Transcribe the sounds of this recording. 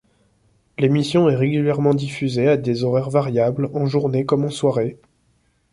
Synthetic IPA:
lemisjɔ̃ɛʁeɡʲyljɛʁmɑ̃d̪ifyzead̪ezɔʁɛʁvaʁjablɑ̃ʒuʁnekɔmɑ̃swaʁe

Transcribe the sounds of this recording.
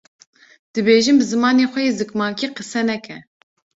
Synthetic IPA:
d̪̥ɨbeːʒɨmbɨzɨmɑːneːxʷɛjeːzɨkmɑːkiːqɨsɛnɛkʰɛ

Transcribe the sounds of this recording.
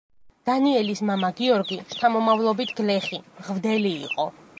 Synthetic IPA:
d̪̥aniɛlismamaɡiɔɾɡit̪ʰamɔmavlˠɔbit̪ʰɡlɛχiʁvd̪ɛlḭːqʼɔ

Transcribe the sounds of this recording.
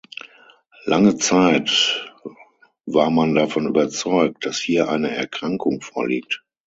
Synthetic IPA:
laŋət͡saɪt | vaːɐmandafɔny̰ːbɐt͡sɔʏk̚t̚d̥ashiːɐʔaɪnəɛ̰ɐkʁ̥aŋkʊŋfoːɐliːk̚t

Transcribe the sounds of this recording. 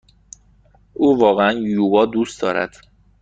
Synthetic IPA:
ʔuːvɒːɣeænjuːbɒːd̪uːst̪d̪ɒːɾæ̰d̪̥

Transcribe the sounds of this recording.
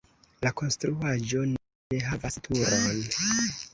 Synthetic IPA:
lako̞nstɾuad͡ʒo̞n | eɦavastʰuɾo̞n

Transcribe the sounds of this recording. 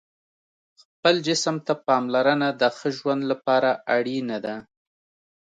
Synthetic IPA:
xpəld͡ʒɪsəmt̪apɑmlaɾənad̪əxəʒwand̪lapɑɾaaɽinad̪a

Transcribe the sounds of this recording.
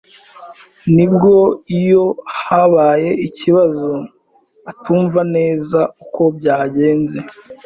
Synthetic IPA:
nib̚ɡo̞ijo̞haβaːje̞iciβazo | atuːɱvane̞ːzauko̞bɟaːɟe̞ːnze̞

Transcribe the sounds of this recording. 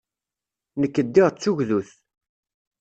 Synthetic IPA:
nəkːəd̪ːɪʁt͡sːuʝðuθ

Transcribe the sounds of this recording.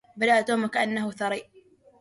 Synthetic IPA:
bad̪aʔt̪uːmakaʔanːahʊθɑɾˤiːʔ

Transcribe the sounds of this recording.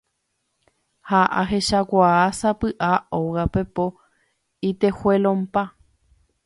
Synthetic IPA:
haʔa̰ɦeʃakʷaasapɨʔaoɣapepo | it̪ehwelõmpa

